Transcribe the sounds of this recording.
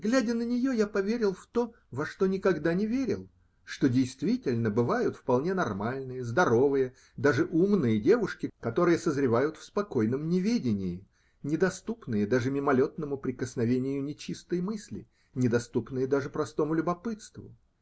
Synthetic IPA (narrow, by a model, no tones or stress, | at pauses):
ɡlʲædʲənənʲɪjo̞japɐvʲeɾʲɪlˠft̪o̞ | vɐʂt̪o̞nʲɪkɐɡd̪anʲɪvʲeɾʲɪlˠ | ʂt̪o̞dʲɪjst̪vʲitʲɪlʲnəbɨvajʊt̪fpɐlˠnʲe̞nɐrmalʲnɨjəzd̪ɐɾo̞vɨjə | d̪aʐɨʔumnɨjədʲe̞vʊʂkʲɪkɐt̪o̞ɾɨjəsəzɾʲɪvajʊt̪fspɐko̞jnəmnʲɪvʲedʲɪnʲɪjɪ | nʲɪd̪ɐst̪upnɨjəd̪aʐɨmʲɪmɐlʲo̞t̪nəmʊpɾʲɪkəsnɐvʲenʲɪjʊnʲɪt͡ɕist̪əjmɨsʲlʲɪ̰ | nʲɪd̪ɐst̪upnɨjəd̪aʐɨpɾɐst̪o̞mʊlʲʊbɐpɨt̪st̪vʊ̰